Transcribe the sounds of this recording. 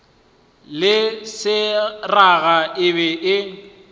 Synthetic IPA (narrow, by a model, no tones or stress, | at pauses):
lɪsɪraɣaʔɪβɛʔɪ